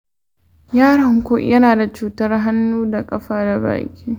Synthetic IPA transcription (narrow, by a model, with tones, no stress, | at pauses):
jaː˦ɽɐ˨ŋkʷo̰˦ʔjɐ˦naː˨da˨t͡ʃuː˨tɐ˦rɦa˦nːuː˦da˨kʼɐ˦ɸaː˦da˨ba̰ː˨kʲʼiː˦